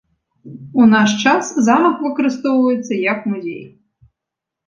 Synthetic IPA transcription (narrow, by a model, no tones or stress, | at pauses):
un̪aʂt͡ʂaszamɐkvɨkɐɾɨst̪ɔwvɐjɛt̪sːɐjɐkmuzʲḛj